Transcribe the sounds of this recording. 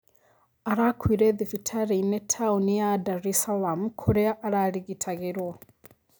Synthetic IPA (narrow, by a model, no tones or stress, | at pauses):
aɾakwiɾɛðifitʰaɾinetʰaunijadaɾisalamkʰuɾeaʔaɾaɾiɣitʰaɣeɾwo